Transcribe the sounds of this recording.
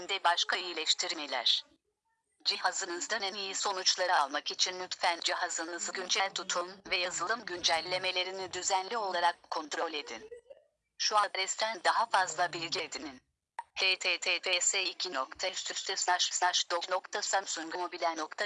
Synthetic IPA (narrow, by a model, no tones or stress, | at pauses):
nd̪ɛbaʃkʰaijilʲɛʃt̪ʰiɾimelʲæ̰ɾ̥ | d͡ʒihazɯnɯzd̪anɛnijiso̞nut͡ʃlˠaɾɯaalˠmakit͡ʃʰinlʲyt̪fænd͡ʒiɦazɯnɯzɯɟynd͡ʒælʲt̪ʰut̪ʰunvɛjazɯlˠɯmɟynd͡ʒælʲːe̞me̞lʲe̞ɾinid̪yzænlʲio̞lˠaɾakʰːo̞nt̪ɾo̞lʲe̞d̪in | ʃuabɾɛst̪ʰænd̪aɦafazlˠabilʲɟed̪inin | h̪ʰet̪ʰeːt̪ʰet̪ʰeseicʰino̞kt̪ʰast̪yst̪ʰyslˠaʃslˠaʃd̪ono̞kt̪ʰasamsuŋɡumobilʲænokt̪ʰa